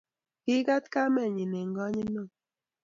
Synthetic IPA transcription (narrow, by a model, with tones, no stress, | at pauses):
ki˦ɡa˦tka˦mɛ˦˨ɲi˨ne˨ŋ˦ɡɔ˦ɲi˦no˦˨